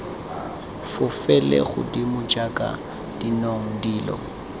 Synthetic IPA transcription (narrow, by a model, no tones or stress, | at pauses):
fʊfɛlɛ̰χʊ̰dimʊd͡ʒʼakʼa̰ | d̥inoŋ̩diːlɔ̰